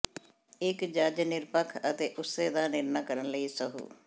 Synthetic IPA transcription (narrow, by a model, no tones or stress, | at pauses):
ɪkd͡ʒəd͡ʒnɪɾpəkʰət̪eːʔʊseːd̪aːnɪɾnaːkəɾənləiːsəɦṵː